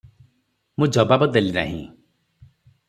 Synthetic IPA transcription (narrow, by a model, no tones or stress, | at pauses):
mũd͡ʒɔbabɔd̪elina̰ɦḭ̃